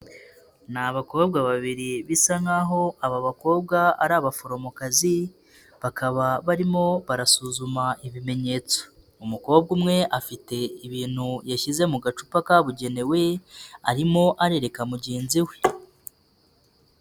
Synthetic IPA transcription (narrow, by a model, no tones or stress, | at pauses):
naβako̞ːbɡaβaβiɾiβisaŋaɦo̞aβaβako̞ːb̚ɡaa̰ɾaβafoɾomokazi | βakʰaβaβaɾimo̞βaɾasuːzumaiβime̞ɲe̞ːt͡so̥ | umuko̞ːbɡumŋe̞ʔafite̞iβiːn̥hujaʃize̞muɡat͡ʃu̥pakaβuɟe̞ne̞we̞aɾimo̞ʔaɾe̞ɾe̞kamuɟeːnziwe̞̥